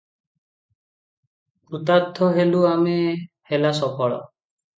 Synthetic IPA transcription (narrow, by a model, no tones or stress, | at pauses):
ut̪ad̪ʱːɔɦeluame | helasɔkʰɔɭɔ̰